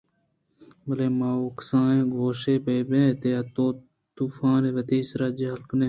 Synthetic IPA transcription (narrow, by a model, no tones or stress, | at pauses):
bəleːmaːoːksãːẽːɡʱoːʃeːbeːbẽːt̪eːɐt̪õː | t̪uːfãːnẽːʋət̪iːsɾaːd͡ʒeɦɐlkneː